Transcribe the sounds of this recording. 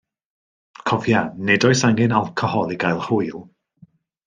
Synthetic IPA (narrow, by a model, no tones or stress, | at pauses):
kʰɔvjanɛdɔɨsaŋɪnalˠkʰɔhɔlˠiɡajlˠr̥ʊjlˠ